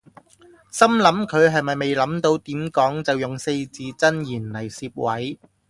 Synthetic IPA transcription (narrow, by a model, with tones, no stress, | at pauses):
sɐ˥mlɐ˨˥mkʰɵ˨˧ɥɦɐ˨jmɐ˨jme˨jlɐ˨˥mt̪o˧wt̪iː˨˥mkɔː˨˥ŋt͡sɐ˨wjʊ˨ŋse˧jt͡siː˨˥t͡sɐ˥njiː˨˩nlɐ˨˩jsiː˧p̚wɐ˨˥j